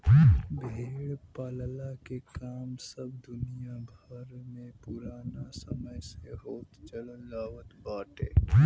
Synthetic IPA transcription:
bʱeːɽpaːllakekaːmsəb̚d̪ʊnijabʱəɾmẽpʊɾaːnasə̰məjseɦoːt̪t͡ʃələlaːʋət̪baːʈḛː

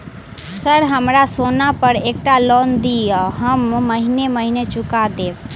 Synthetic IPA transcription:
səɾɦəmɾasonapəɾek̚ʈalɔnd̪iəɦəmːəɦineməɦinet͡ʃʊkad̪eːb

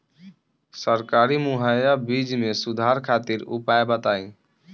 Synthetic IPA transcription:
səɾkaɾimuɦajabid͡ʒmesud̪ʱaɾkʰat̪iɾṵpajebət̪aĩ

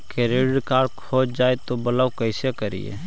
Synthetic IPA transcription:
keɾeɽɽkaːɖkʰoːt͡ʃd͡ʒaːet̪obələwkəɪsekəɾḭḛ

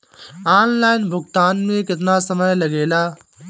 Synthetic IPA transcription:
aːnlaːɪnbʱʊkt̪aːnmẽkɪt̪nasəməjlɐɡeːlaː

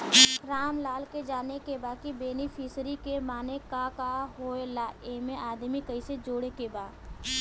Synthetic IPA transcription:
ɾaːmlaːlked͡ʒaːnekebaːkibeːnifʰiːsɾikemaːnekakaɦoːelaːemẽʔaːd̪mikəised͡ʒoːɽekebaːd̪

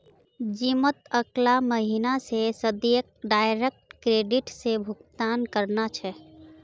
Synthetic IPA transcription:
d͡ʒimət̪əklaməɦinasesəd̪jək̚ɖaːɪɾek̚ʈkɾeːɖɪʈsebʱʊkt̪aːnkəɾnat͡ʃʰɛ

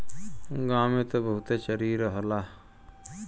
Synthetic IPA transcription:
ɡaːmet̪obəɦut̪eːt͡ʃəɾiːɾəɦəlaː

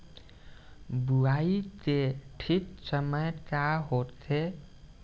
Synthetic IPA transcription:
buait̪eʈʰiksəməjkaɦot̪ʰe

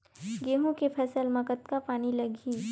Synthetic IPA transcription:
ɡeːɦõkepʰɐsəlmɐkət̪kapaːnilɐɡʱiː

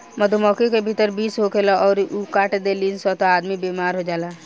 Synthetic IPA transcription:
mɐd̪ʱmɔːkekebʱit̪əɾbiːsɦokelaʔɔːɾukaːʈd̪eːliːnsɔt̪oaːd̪mibeːmaːɾɦod͡ʒaːlaː

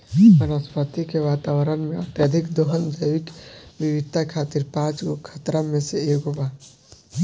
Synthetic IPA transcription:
mənəspət̪ikeʋaːt̪aːwɾənmẽɐt̪jəd̪ʱikd̪oɦənd͡ʒəʋɪkʋiʋɪt̪ːakʰaːt̪iɾpãːt͡ʃɡokʰət̪ɾamẽseeːɡɦoba

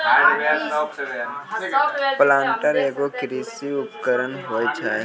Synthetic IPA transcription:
pəlãːnʈəɾeːkokɪɾiːsiʊpkəɾənɦoːjt͡ʃʰaːe

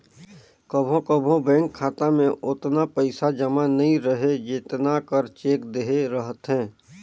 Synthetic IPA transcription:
kəbʱõkəbʱõbɛ̃ːŋkʰːaːt̪amẽʔʊt̪napəɪsad͡ʒəmanɐɦĩɾəɦed͡ʒɪt̪nakəɾt͡ʃeːkd̪eɦeɾəɦət̪ɦɛ̃ː

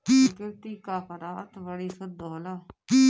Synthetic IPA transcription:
ɡɪɾt̪iːkaːpʰəɾaːt̪ʋəɽiːsəd̪oːlaː

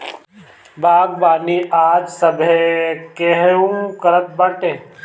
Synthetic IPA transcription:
baːɡ̚baːniʔaːd͡ʒsɐbʱekeɦeũkəɾət̪̚bɐʈẽː

